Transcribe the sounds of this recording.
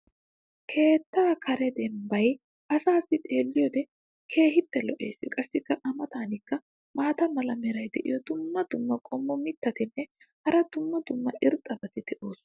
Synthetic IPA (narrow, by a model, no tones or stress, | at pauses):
kʰe̞ːt̪ːaːkʰɐɾɛd̪ɛmbɐj | ʔɐsaːsːɪt̪ʼe̞ːlːɪjɔd̪ɛ | kʰe̞ːhɪt̪ːɛlɔʔe̞̰ːsːɪkʼɐsːɪkːɐʔɐmɐt̪aːnɪkːɐ | maːt̪ɐmɐlɐmɛɾɐjd̪ɛʔɪ̰jɔd̪ʊmːɐd̪ʊmːɐkʼɔmːɔmɪt̪ːɐt̪ɪnːɛ | hɐɾɐd̪̥ʊmːɐd̪ʊmːɐʔɪɾt̪ʼːɐbɐt̪ɪd̪ɛʔo̞ːs